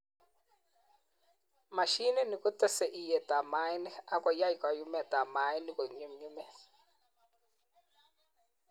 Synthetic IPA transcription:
ma˨ʃi˦nɛ˦ni˨ku˦tɔ˦sɛ˨ʔi˨jɛ˨ta˨ma˨˦ɛ˦nɛ˦a˦kɔ˨ja˦i˨ka˨ju˦mɛ˨ta˨ma˨˦ɛ˦ni˦ko˨ɲu˦mɲu˦mɛ˦

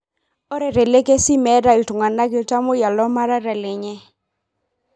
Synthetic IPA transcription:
ɔ˦ɾɛ˨ɾɛ˨le˦ke˦si˦mɛ˨˦da˨ɪ˨ltʊ˨ŋa˨na˦ɡɪ˦lta˦mʊ˦ja˨lɔ˦ma˦ɾa˦ɾɛ˨lɪ˨ɲɛ˦

